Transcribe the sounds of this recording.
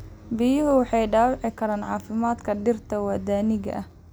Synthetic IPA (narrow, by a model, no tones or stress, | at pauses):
bɪjʊɦʊwɑħɑjɖaːwʕɪkʰɐɾaːnʕɑːfɪmaːd̪kʰɐɖɪrt̪ʰɐwɐd̪aːnɪɣɐ̰ʔɐh